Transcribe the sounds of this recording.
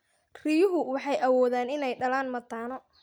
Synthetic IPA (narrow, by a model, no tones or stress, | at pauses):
rijʊɦʊwɑħɑjʔɐwɔːðaːnɪnɛjɖɐlaːnmɐt̪ʰaːnɔ